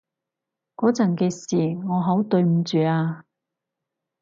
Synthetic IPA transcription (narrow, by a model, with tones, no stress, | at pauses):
kɔː˨˥t͡sɐ˨˩ŋkɛː˧siː˨˩ŋɔː˨˧ɦɐ˨˥wt̪ɵ˧ɥm̩˨˧t͡ʃyː˨aː˧